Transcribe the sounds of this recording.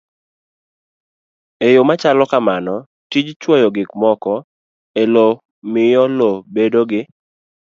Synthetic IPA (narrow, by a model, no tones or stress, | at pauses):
ejomat͡ʃalɔkamanɔ | tid͡ʒt͡ʃwɔjɔɡɪkmɔkɔ | elo | mɪjɔlobedoɡɪ